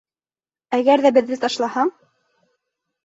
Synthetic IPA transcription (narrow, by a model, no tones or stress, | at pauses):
æɣæɾðæbɘ̆ðːɘt̪ɑʃlˠɑhɑɴ